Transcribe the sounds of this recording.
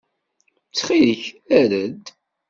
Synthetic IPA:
t͡sːχiðəçæɾəd̪

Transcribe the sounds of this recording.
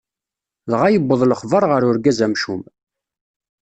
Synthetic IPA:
ðʁajəbːəðˤləχvəɾˤʁəɾʊɾɡæzæmʃum

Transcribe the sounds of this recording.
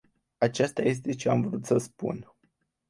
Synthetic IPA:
at͡ʃast̪aje̞s̬t̪e̞t͡ʃe̞amvɾut̪səspṵn

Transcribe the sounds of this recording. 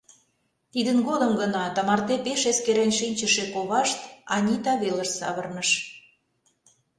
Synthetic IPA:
t̪id̪ənɡod̪əmɡənɑt̪ɑmɑrt̪epeʃeskeɾenʲʃinʲt͡ɕəʃekoβɑʃt̪ɑnʲit̪ɑβelə̆ʃsɑ̰βərnəʃ

